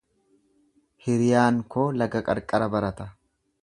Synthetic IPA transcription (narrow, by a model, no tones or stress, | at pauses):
hɪɾɪjaːŋkoːlɐɡɐkʼɐ̰ɾkʼːɐɾɐbɐɾɐt̪ɐ